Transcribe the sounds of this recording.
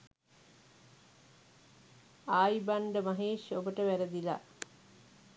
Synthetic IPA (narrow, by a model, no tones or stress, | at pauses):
aːjbaɳɖəmaɦeːʃobəʈəʋæɾəd̪ila̰